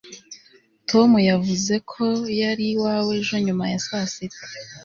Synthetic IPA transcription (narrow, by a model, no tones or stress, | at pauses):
tʰo̞mujavuze̞kʰo̞jaɾiwaːwe̞ʒo̞ɲumajasasite̥